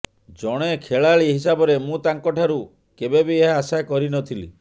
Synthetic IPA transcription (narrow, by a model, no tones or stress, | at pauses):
d͡ʒɔɽ̃ekʰeɭaɭiɦisabɔɾemũt̪aŋkɔʈʰaɾu | kebebijeɦaːsajkɔɾinɔt̪ʰilḭ